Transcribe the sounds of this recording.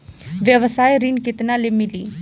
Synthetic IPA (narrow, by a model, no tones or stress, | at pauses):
ʋjəʋəsaːeɾɪnkɪt̪nãːleːmɪliː